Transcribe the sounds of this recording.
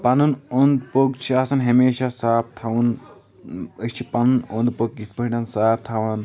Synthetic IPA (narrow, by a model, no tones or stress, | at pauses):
pɐnunond̪poɡt͡ʃʰiaːsɐnɦɐmeːʃasaːp̚t̪ʰɐwun | əst͡ʃʰipɐnunond̪poɡ̚it̪pɐɦʲnɐnsaːp̚t̪ʰaʋan